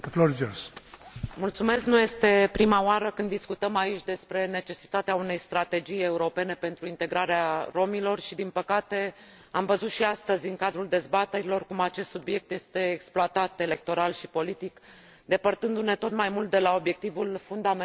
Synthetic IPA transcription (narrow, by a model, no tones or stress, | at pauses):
floɾd͡ʒos | mult̪sume̞sknuje̞st̪e̞pɾimaoaɾəkɨnd̪ːiskut̪əmait͡ʃʲd̪e̞spɾe̞ne̞t͡ʃe̞si̥t̪at̪eaune̞jst̪ɾat̪e̞d͡ʒije̞uɾo̞pe̞ne̞pe̞nt̪ɾuint̪e̞ɡɾaɾearo̞milo̞rʃid̪inpəkat̪e̞ | amvəzut̪ʃiast̪əzʲɨŋkad̪ɾuld̪e̞zbat̪e̞ɾilo̞rkumat͡ʃest̪subje̞k̚t̪je̞st̪e̞ːksploat̪at̪e̞le̞k̚t̪o̞ɾalʃipo̞lit̪ik | d̪e̞pərt̪ɨnd̪une̞t̪o̞t̪majmult̪̚d̪e̞lao̞bje̞k̚t̪ivulfund̪ame